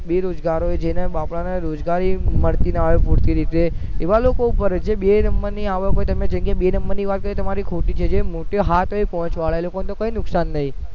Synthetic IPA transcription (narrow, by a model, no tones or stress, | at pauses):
beɾod͡ʒɡaɾoed͡ʒenebapɭaneɾod͡ʒɡaɾiməɽt̪inaʋepuɽt̪iɾit̪eeʋalokoupəɾd͡ʒeɓenəmbəɾniaʋəkɦoet̪əmẽd͡ʒə̃ŋkeɓenəmbəɾniʋat̪̚kəɾet̪əmaɾikʰoʈit͡ʃʰed͡ʒemoʈoɦat̪oipɔɦɔ̃t͡ʃʋaɭaelokonet̪okoinʊksanːəɦĩ